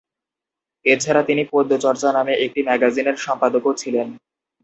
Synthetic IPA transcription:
et͡ɕʰaɾat̪inipod̪ʱːot͡ɕɔɾt͡ɕanameʔek̚ʈimɛɡazineɾʃɔmpad̪okot͡ɕʰilen

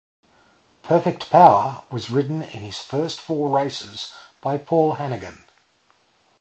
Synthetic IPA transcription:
pʰɜˑ˞fɛk̚tpʰaʊə˞wʌzɹɪʔn̩ɪ̰̃nɪz̥fɜˑ˞stfɔːɹeɪsɪz̥b̥aɪpʰɔːlˠɦænɨɡɨ̃n

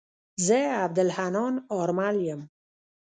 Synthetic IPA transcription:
zeabd̪əlhanɔːnɔɾmaljəm

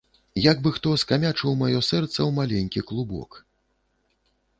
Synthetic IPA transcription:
jaɡ̚bɨxt̪ɔskamʲat͡ʂɨwmajɔsɛrt̪sɐwmalʲɛnʲkʲiklˠubɔ̰k

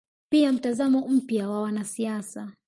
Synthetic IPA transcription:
piam̩tazamɔm̩pjawawanasiasa

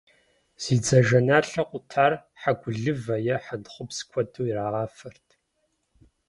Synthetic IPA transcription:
z̥iːd͡zɐʒɐnaːɬɐqʷʼʊtʰaːr | ħaɡʷʊɮɨvɐjɛħanχʷʊpskʷʰɔdʰʼuːiraːʁɑːfɐrtʰ

